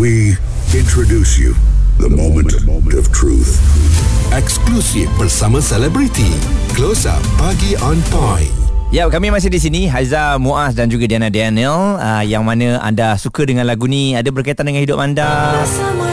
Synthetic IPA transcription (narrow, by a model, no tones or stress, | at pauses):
wi | ɪ̃ntʰɹodusjṵðə̰mõm̃nttʌv̥tʰɹṵθ | ɛksklusivbərsamə̃sɛlɛbɾit̪ḭ | klosa̰paɡiɔ̃npajjap̚kamĩmas̬ɪhdis̬inĩɦazamuʔasdand͡ʒuɡadianadianələjaŋmanə̃ʔa̰ndasukədəŋãnlaɡunĩadabərkait̪andəŋanhidʊp̚anda